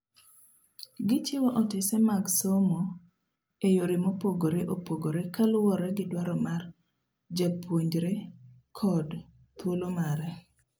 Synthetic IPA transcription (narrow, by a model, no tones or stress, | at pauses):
ɡɪt͡ʃɪwaʔɔtɪsɛmaɡsomo | ejoɾɪmopoɡoɾeʔopoɡoɾekalʊwɔɾɛɡɪdwaɾɔmar | d͡ʒapʰwoɲd͡ʒɾe | kʰɔd | pwolomaɾɛ